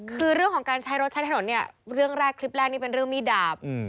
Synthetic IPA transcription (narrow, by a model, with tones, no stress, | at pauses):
kʰɯː˧ɾɯ˥˩ŋkɔː˩˦ŋkaː˧nt͡ɕʰa˦˥jɾo˦˥t̪̚t͡ɕʰa˦˥t̪ʰa˨˩o˩˦nːi˥˩ɐɾɯ˥˩əŋɾɛː˥˩kʰli˦˥p̚lɛː˥˩niː˥˩pe˧nɾɯ˥˩əŋmiː˥˩daː˦˥p̚ː